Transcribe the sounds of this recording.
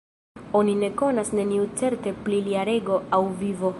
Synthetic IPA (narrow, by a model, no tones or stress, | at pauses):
o̞nine̞ko̞nasne̞niut͡se̞ɾte̞pliliaɾe̞ɡo̞awvivo̞